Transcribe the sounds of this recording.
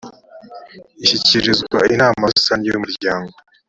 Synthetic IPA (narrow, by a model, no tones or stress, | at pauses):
iɕiciɾizɡwa̰inaːmasaɲijumuɾɟaːŋɡo